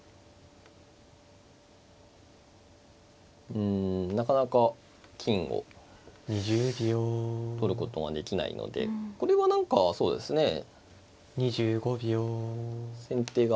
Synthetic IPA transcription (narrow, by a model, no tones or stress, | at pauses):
ɯ̟̃ɴnakanaka | kʲʰĩŋɡo̰ɲiʑɨːbʲot̪o̞ɾɯ̟ko̞t̪o̞βa̰d̪e̞kʲina̰ḭno̰d̪e̞̰ko̞ɾe̞βanãŋkaso̞ːd̪e̞sɨne̞ | ɲ̟iʑɨːɡo̞bʲjo | sẽ̞nt̪e̞ːɡa